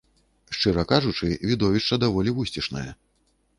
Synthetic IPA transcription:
ʂt͡ʂɨɾɐkaʐut͡ʂɨvʲid̪ɔvʲiʂt͡ʂɐd̪avɔlʲivusʲtʲiʂnɐjɐ

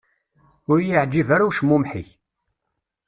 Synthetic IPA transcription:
ʊɾjiʕd͡ʒːivaɾuwʃmumħiç

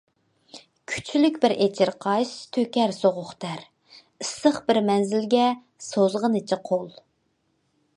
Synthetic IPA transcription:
kʲʰy̥t͡ʃʰylykʲbɪɾʔet͡ʃʰɪɾqʰɑʃt̪ʰøkʲɛɾsoʁʊχt̪ʰæɾ | ɨsəχbɪɾmɛnzɪlɡʲɛ | sozʁənɨt͡ʃʰiqʰolˠ

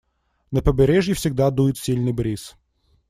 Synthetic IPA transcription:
nəpəbʲɪɾʲeʐjɪfsʲɪɡd̪ad̪ujɪt̪sʲilʲnɨjbɾʲis

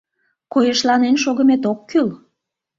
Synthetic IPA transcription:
kojəʃlɑnenʃoɣəmet̪̬okːyl

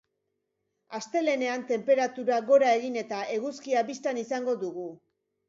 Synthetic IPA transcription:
ast̪e̞le̞ne̞ant̪e̞mpe̞ɾat̪uɾaɣo̞ɾae̞ɣine̞t̪ae̞ɣuskiaβist̪anisaŋɡo̞d̪uɣu

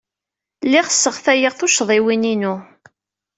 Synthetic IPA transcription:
lːɪʁə̥sːəʁθæjəʁθʊʃðˤiwininu

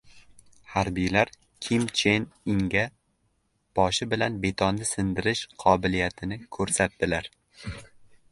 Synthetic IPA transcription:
haɾbijlaɾ | kʲʰɪmt͡ʃʰenɪŋɡʲa | b̥ɒʃɪbɪlanbe̞t̪ʰɒnːɪsɪnd̪ɪɾɪʃqʰɒbɪlijat̪ʰɪnɪkʰɵɾsat̪̚d̪ɪlaɾ

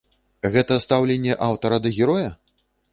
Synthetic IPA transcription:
ɣɛt̪ɐst̪awlʲenʲːɛʔawt̪ɐɾɐd̪ɐɣʲɛɾɔjɐ

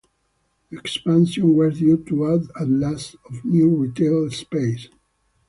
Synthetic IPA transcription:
ɛkspãnsɔ̃nwɔɾdjutuadatlasɔvnjuɹit̪ʰelspeɪs

